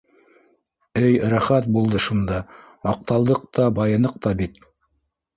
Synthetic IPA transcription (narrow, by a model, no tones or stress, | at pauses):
ɘjɾæχæt̪̚bulˠd̪ɤʃund̪ɑ | mɑq̚t̪ɑlˠd̪ɤq̚t̪ɑbɑjɤ̆nɤq̚t̪ɑbit̪